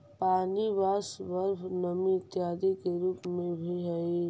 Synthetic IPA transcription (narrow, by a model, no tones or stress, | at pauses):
paːniʋaːsʋəɾpʰnəmit̪jaːd̪ikeɾuːpmẽbʱiɦəi